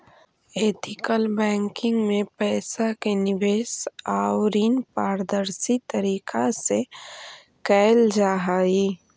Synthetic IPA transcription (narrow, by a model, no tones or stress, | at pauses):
eːt̪ʰɪkəlbɛ̃ːŋkɪ̃ŋɡmẽpɛːsakenɪbeːsaːwɾiːnpaːɾd̪əɾsit̪əɾiːkʰase | kɛːld͡ʒaːɦaːiː